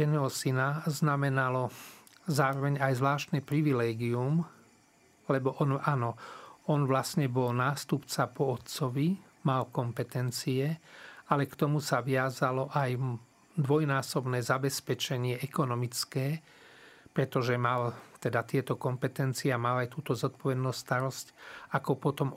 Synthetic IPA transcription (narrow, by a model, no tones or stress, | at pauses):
ɛnɛːɦɔsinaznamɛnalɔ | zaːɾɔʋɛɲajzʋlaːʃt̪nɛpɾiʋilɛːɡium | lɛbɔʔɔnanɔɔnʋlasɲɛbɔlnaːst̪upt͡sapɔːt̪t͡sɔʋi | malkɔmpɛt̪ɛnt͡siɛalɛkt̪ɔmusaʋɪazalɔʔaj | d̪ʋɔjnaːsɔbnɛːzabɛspɛt͡ʃɛɲɪɛʔɛkɔnɔmit͡skɛː | pɾɛt̪ɔʒɛmalt̪ɛd̪at̪ɪɛt̪ɔkɔmpɛt̪ɛnt͡siɛamalajt̪uːt̪ɔzɔt̪̚pɔʋɛd̪nuːst̪aɾɔscakɔpɔt̪ɔm